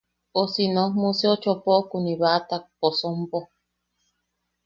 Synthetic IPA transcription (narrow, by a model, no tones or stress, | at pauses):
osinõhmuseot͡ʃopokuniβat̪ak̚posompo